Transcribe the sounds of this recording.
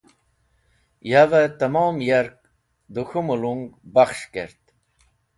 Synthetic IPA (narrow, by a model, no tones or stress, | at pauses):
javet̪ɐmoːmjaɾk̚ | d̪uxumuluŋɡbaχʃkḛɾt̪